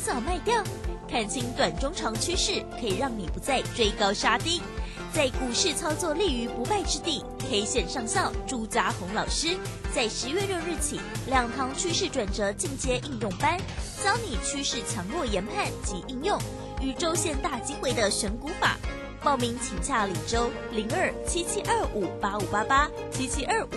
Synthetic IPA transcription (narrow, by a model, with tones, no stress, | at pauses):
t͡sɑ˨˩ʊma˥˧ɪt̪jɑ˥˩ʊkʰa˨˩nt͡ɕʰi˧˥ŋt̪wa˨˩nʈ͡ʂʊ˥ŋʈ͡ʂʰɑ˧˥ŋt͡ɕʰy˥ʂɻ̩˥˩kʰɤ˧˥i˨˩ɻɑ˥˩ŋni˨˩pu˧˥˦t͡sa˥˧ɪt͡swe˥˧ɪkɑ˥ʊʂa˥t̪i˥ | t͡sa˥˩ɪku˨˩ʂɻ̩˥˧t͡sʰɑ˥ʊt͡swɔ˥˧li˥˩y˧˥pu˧˥pa˥˧ɪʈ͡ʂɻ̩˥t̪i˥˩ | xʰe˥i˨˩ɕjɛ˥˧nʂɑ˥˧ŋɕɑ˥˩ʊʈ͡ʂu˥t͡sa˧˥xʊ˧˥ŋlɑ˨˩ʊʂɻ̩˥t͡sa˥˩ɪʂɻ̩˧˥ɥɛ˥˧ɻo˥˧ŋɻ̩˥˩t͡ɕʰḭ˨˩˦ljɑ˨˩ŋt̪ʰɑ˧˥ŋt͡ɕʰy˥ʂɻ̩˥˩ʈ͡ʂwa˨˩nt͡sɤ˧˥t͡ɕi˥˩ŋt͡ɕjɛ˥ʔi˥˧ŋjʊ˥˩ŋpa˥nɕjɑ˥ʊni˨˩t͡ɕʰy˥ʂɻ̩˥˩t͡ɕʰjɑ˧˥ŋlwɔ˥˩jɛ˧˥npʰa˥˩nt͡ɕi˧˥ʔi˥˧ŋjʊ˥˩ŋ | y˨˩ʈ͡ʂo˥ʊɕjɛ˥˧nt̪a˥˩t͡ɕi˥xwe˥ɪd̪ə˨ʂə˧˥nku˧˥fa̰˨˩˦ | pɑ˥˩ʊmi˧˥ŋt͡ɕʰi˨˩ŋɕja˥˩li˨˩ʈ͡ʂo˥ʊ | li˧˥ŋə˞˥˩t͡ɕʰi˥t͡ɕʰi˥ʔə˞˥˩u˨˩pa˥u˨˩pa˥pa˥ | t͡ɕʰi˥t͡ɕʰi˥ʔə˞˥˩˨